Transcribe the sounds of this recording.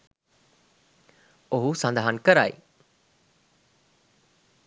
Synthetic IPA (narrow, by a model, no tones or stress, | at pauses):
oɦusand̪aɦankəɾa̰j̰